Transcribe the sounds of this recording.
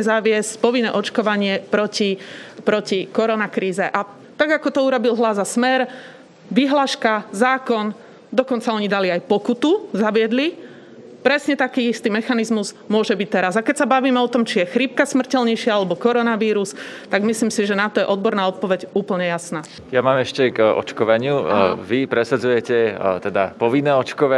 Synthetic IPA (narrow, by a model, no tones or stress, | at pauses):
zaʋɪɛscpɔʋinːɛ̰ʔɔt͡ʃkɔʋaɲɪɛpɾɔcipɾɔcikɔɾɔnakɾiːzɛʔa | t̪aɡakɔt̪ɔuɾɔbilɦlazasmɛɾ | ʋiɦlaːʃkazaːkɔn | d̪ɔkɔnt͡saɔɲid̪aliajpɔkut̪uzaʋɪɛd̪li | pɾɛsɲɛt̪akiːist̪iːmɛxanizmuz | mʊɔʒɛbic̚t̪ɛɾazakɛcsabaʋiːmɛɔt̪ɔmt͡ʃijɛxɾip̚kasmr̩cɛlɲɛjʃɪaalɛbɔkɔɾɔnaʋiːɾust̪aɡmisliːmsiʒɛnat̪ɔjɛʔɔd̪̚bɔɾnaːɔt̪̚pɔʋɛɟuːpl̩ɲɛjasnaː | jamaːmɛʃcɛɡɔ̰t͡ʃkɔʋaɲɪuʋipɾɛsad͡zujɛcɛt̪ɛd̪a̰pɔʋinːɛːɔt͡ʃkɔʋa